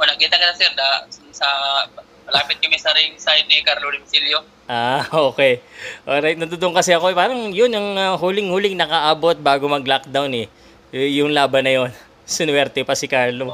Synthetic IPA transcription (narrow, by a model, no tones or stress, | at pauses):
ʔonɐɡkiːt̪ɐkɪt̪ɐsɛɾd̪assɐ | mɐlaːpɪt̪̚kɐmɛsɐɾiŋsajd̪̚nikaɾloɾɪmsiljo | ʔaːʔoːkɛjʔoɾajt̪nɐt̪ʊd̪oʔŋkɐsɛɐko̞ɛpaːɾɐŋjonɐŋahuːlɪŋhuːlɪŋnɐkɐʔaːbo̞t̪̚baːɡo̞mɐɡlak̚d̪awnɛ | ɛjʊŋlaːbɐnɐjo̞n | sɪnwɛɾt̪ɛpɐsɪkaɹlo